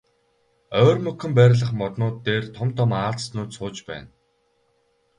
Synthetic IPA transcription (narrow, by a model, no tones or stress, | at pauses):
œːrmɵkɵ̆mpæːɾʲɪ̆ɮə̆χmɔt̪nʊːt̪ːeːrt̪ʰɔmt̪ʰɔmaːɮt͡ssnʊːt̪sʊːt͡ɕpæ̰ːn